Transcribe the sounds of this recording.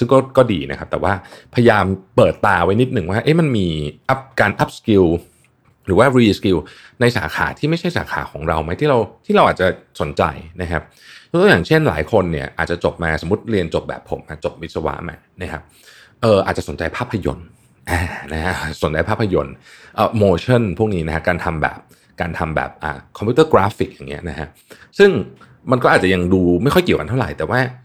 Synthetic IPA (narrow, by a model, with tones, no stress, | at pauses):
sɯ˥˩ŋkɔː˥˩kɔː˥˩diː˧na˦˥kʰa˦˥p̚t̪ɛː˨˩waː˥˩pʰa˧ja˧jaː˧mpɤː˨˩t̪ːaː˧wa˦˥jni˦˥t̪̚nɯ˨˩ŋwaː˥˩ʔe˦˥˩ma˧nmiː˧ʔa˦˥p̚kaː˧nʔa˦˥p̚ski˧w | ɾɯː˩˦waː˥˩ɾiː˧ski˧w | na˧jsa̰ː˩˦xʰa̰ː˩˦t̪ʰiː˥˩ma˥˩jt͡ɕʰa˥˩jsa̰ː˩˦kʰa̰ː˩˦kʰɔː˩˦ŋɾa˧wma˦˥jt̪ʰiː˥˩ɾa˧wt̪ʰiː˥˩ɾa˧wʔaː˨˩t͡ɕa˨˩so˨˩˦nt͡ɕa̰˧jna˦˥kʰa˦˥p̚ | jt̪o˧˥jaː˨˩ŋt͡ɕʰe˥˩nla̰ː˩˦jkʰo˧nːi˥˩ɐʔaː˨˩t̪̚t͡ɕa˨˩t͡ɕo˨˩p̚maː˧so˩˦mu˦˥t̪̚ɾi˧ənt͡ɕo˨˩p̚bɛ̰ː˨˩pʰːo̰˩˦mʔa˦˧˥t͡ɕo˨˩p̚wi˦˥t̪̚sa˧wa̰˦˥ʔma̰ː˧na˦˥˩kʰa˦˥p̚ | ʔɤː˧ʔaː˨˩t͡ɕa˨so˩˦nt͡ɕa˧jpʰaː˥˩pʰːa˧jo̰˧n | ʔaː˨˩na˦˥kʰa˦˥ʔso˨˩˦nt͡ɕa˧jpʰaː˥˩pʰːa˧jo˧nʔəː˨˩moː˧t͡ɕʰɔ˥˩npʰu˥˩ŋ̚niː˦˥na˦˥kʰa˦˥kaː˧nt̪ʰa˧mbɛ̰ː˨˩p̚ | kaː˧nt̪ʰa˧mbɛ̰ː˨˩p̚ʔa̰ː˨˩kʰɔ˧mpʰiu˦˥t̪ɤː˥˩kɾaː˦˥fi˨˩k̚jaː˨˩ŋːi˦˥ɐna˦˥kʰa˦˥ʔ | sɯ˥˩ŋ | ma˧nkɔː˥˩aː˨˩t͡ɕa˨ja˧ŋduː˧ma˥˩jxʰɔ˥˩jki˨˩əwka˧nʰa˥˩wɾa˨˩jt̪ɛː˨˩waː˥˩